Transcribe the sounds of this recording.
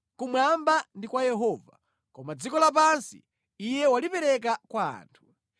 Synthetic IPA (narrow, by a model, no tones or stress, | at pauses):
kumwambandikwajɛɦɔva | kɔmad͡zikɔlap̬ansḭː | jɛwalipɛɾɛk̬akwa̰ːntʰu̥